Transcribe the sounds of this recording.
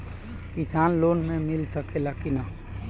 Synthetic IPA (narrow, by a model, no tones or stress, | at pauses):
kisanlonmemilsəkelakina